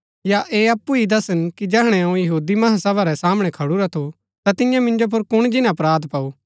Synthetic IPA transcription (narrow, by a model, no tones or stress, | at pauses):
jaʔeːɐpːuid̪ɐsənkid͡ʒɛːɦɽ̃ɛɐũjɐɦuːd̪imɐɦasɐbaɾɛsaːməɽ̃ɛkʰɐɽuɾat̪ʰo | t̪at̪ɪ̃jãmɪ̃nd͡ʒop̬ʊɾkʊɽ̃d͡ʒɪnãɐpɾaːd̪pɐu